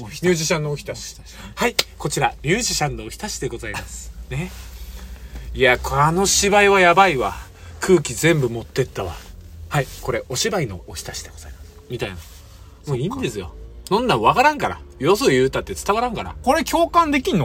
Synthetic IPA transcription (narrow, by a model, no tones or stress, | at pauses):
ɨːʑisãnːooçi̥t̪aɕi̥ | haiko̞t͡ɕiɾaɾʲɨːʑiɕãnːoːçʲi̥t̪aɕid̪e̞ɡo̞zaimasɨ̥ne̞ | iakoano̞ɕibaiβajabaiβa | kʰɯːkʲizẽ̞mbɯ̟mo̞t̪ːe̞t̪ːaβa̰haiko̞ɾe̞ʔo̞ɕibaino̞̰oçʲi̥t̪aɕid̪e̞ɡo̞z̥aimasɨ̥mʲit̪aina | moiːnd̪e̞sɨjo̞̰d̪õnd̪ãβakaɾãŋkaɾa̰joːsojɯ̟ːt̪at̪ːe̞t͡sɨ̥t̪aβaɾãŋkaɾa̰ko̞ɾe̞kʲo̞ːkãnd̪e̞kʲinːo